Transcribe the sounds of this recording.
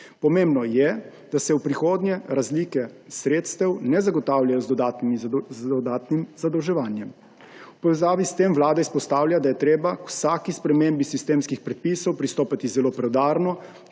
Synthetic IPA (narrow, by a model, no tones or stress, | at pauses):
pɔmeːmbnɔjɛ | d̪̥asɛwpɾixoːd̪ɲjɛɾazlikɛsɾeːt̪st̪ɛwnɛzaɡɔt̪aːwljajɔzd̪ɔd̪aːt̪nimiɔd̪aːt̪nimzad̪ɔwʒɛʋaːnjɛm | wpɔʋɛzaːʋist̪emʋlaːd̪aispɔst̪aːwljad̪ajɛt̪ɾeːbakwsaːkispɾɛmeːmbisist̪eːmskixpɾɛt̪̚piːsɔwpɾist̪oːpat̪izɛloːpɾɛwd̪aːɾnɔ